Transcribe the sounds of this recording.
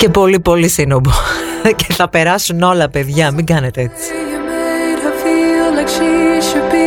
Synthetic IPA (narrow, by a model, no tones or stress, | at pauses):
ce̞po̞lipo̞lisinoboce̞̥θɐpe̞ɾɐsuno̞lɐpe̞ðʝɐmiŋɡɐne̞t̪eet͡si̥ɐmejɾɐfiɐlɐksiʃupi